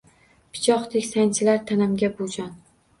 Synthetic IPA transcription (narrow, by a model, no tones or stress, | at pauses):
pʰɪ̥t͡ʃʰɒχt̪ʰekʲsant͡ʃʰɪlaɾt̪ʰanamɡʲabod͡ʒɒn